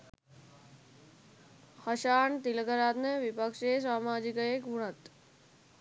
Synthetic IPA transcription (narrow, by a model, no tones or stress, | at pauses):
hɐʃaːɳt̪ilkəɾaːt̪nəʋipəkʂeːs̬waːmaːd͡ʑikəeːkʋuɳ̃ɐt̪